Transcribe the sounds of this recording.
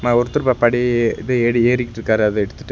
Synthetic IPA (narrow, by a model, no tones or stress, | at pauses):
maːɔɾɯt̪ːɯɾpaːpɐɽiɪðɯeːɽieːɾɪkʲːɪʈːɾɯkːaːɾɐðɯɛɽɯt̪ːɯ̥ʈː